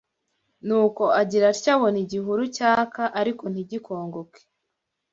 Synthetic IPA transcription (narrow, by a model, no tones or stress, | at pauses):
nuːko̞aɟiɾaɾcaβo̞niɟiɦuɾucaːkaʔaɾiko̞n̥iɟikʰo̞ːŋɡoke̥